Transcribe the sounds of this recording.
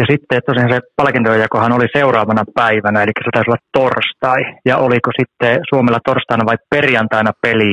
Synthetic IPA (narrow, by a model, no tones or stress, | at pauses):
jɑsit̪ːet̪ːosihɑnsepɑlkint̪ojɑkohɑnoliseurɑːʋɑnɑpæiʋænæelikːæ̥set̪ɑˑysiolːɑt̪t̪orst̪ɑijɑolikosit̪ːesuomelːɑt̪orst̪ɑinɑʋɑipperjɑnt̪ɑinɑpeli